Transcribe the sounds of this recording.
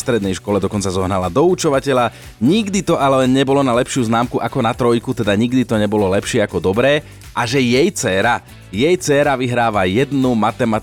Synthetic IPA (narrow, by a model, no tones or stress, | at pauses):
st̪ɾɛd̪nɛjʃkɔlɛd̪ɔkɔnt͡sazɔɦnalad̪ɔut͡ʃɔʋacɛʎa | ɲiɡd̪it̪ɔʔalɛɛɲɛbɔlɔnalɛpʃɪuznaːmkuʔakɔnat̪ɾɔjkut̪ɛd̪aɲiɡd̪it̪ɔɲɛbɔlɔlɛpʃɪɛakɔd̪ɔbɾɛː | ʔaʒɛjɛjt͡sɛːɾa | jɛjt͡sɛːɾaʋiɦɾaːʋajɛd̪numat̪ɛmat̪